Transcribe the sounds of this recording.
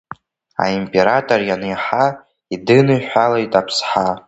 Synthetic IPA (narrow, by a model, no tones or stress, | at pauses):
a̰impʼe̞ɾatʼorjanejħa | idɨnɨħʷᶣalajtʼapʰsħa